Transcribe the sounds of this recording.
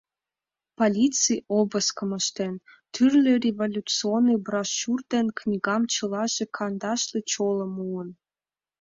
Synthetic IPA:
polʲit͡sɨjobəskəməʃt̪ent̪yrlʲerʲevolʲut͡sɨonːɨjbrɑʃurd̪enknʲiɣɑmt͡ɕəlɑʒekʰɑnd̪ɑʃlet͡ɕoləmuən

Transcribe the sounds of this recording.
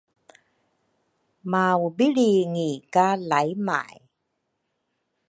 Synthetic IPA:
maːwbiliŋikalajma̰ːj

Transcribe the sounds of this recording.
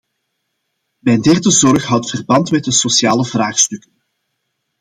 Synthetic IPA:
mɛjndɛrdəzɔrxɦɑwtfərbɑntmɛt̚dəsosjaːləvraːxstɵkən

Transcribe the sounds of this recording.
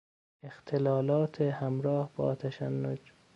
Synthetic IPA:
ext̪ʰelɒːlɒːt̪ʰehæmɾɒːhbɒ̰ːt̪ʰæʃænːod͡ʒ

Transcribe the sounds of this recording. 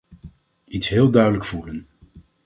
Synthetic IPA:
itsɦɪːlˠdœɥdələkfulən

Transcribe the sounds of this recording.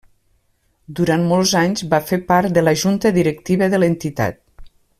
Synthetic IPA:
d̪uɾanmɔlˠzaɲzβafepaɾt̪d̪ələʒunt̪əðiɾək̚t̪iβəðələnt̪it̪a̰t̪̚

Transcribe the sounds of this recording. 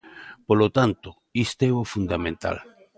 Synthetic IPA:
polot̪ant̪o | ist̪ɛofund̪amẽnt̪a̰l

